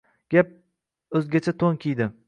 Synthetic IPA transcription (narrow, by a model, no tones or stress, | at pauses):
ɡ̥ʲap̚ | ɵzɡʲat͡ʃʰat̪ʰoŋkʲʰijd̪ɪ